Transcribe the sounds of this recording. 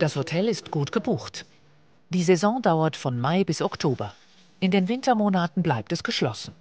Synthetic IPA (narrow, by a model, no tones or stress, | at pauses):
d̥ashotʰɛlɪstɡ̥uːtɡ̥əbuːxt | d̥iːzɛzɔ̃ːdaʊɐtfɔnmaɪbɪsɔktʰoːbɐ | ʔɪndeːnvɪntɐmoːnatn̩blaɪp̚tɛsɡ̥əʃlɔsn̩